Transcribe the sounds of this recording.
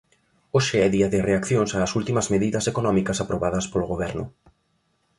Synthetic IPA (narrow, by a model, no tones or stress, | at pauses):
oʃeɛðiɐðɪreakθjõŋsaːsult̪imɐzmeðiðɐsekonɔ̃mikɐsapɾoβaðɐspoloɣoβɛɾnʊ̰